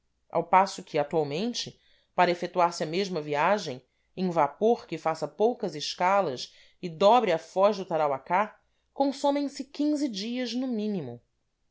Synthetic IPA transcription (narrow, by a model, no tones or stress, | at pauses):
a̰wpasʊkʰɪat̪uawmẽnt͡ʃɪ | paɾɐefet̪uaɾsɪɐmeʒmɐviaʒẽj̃ | ẽj̃vapoɾkɪfasɐpowkɐzɪʃkalɐs | ɪd̪ɔbɾɪɐfɔʒd̪ʊt̪aɾawaka | kõsõmẽj̃sɪkʲĩŋzɪd͡ʒiɐznʊmĩnimʊ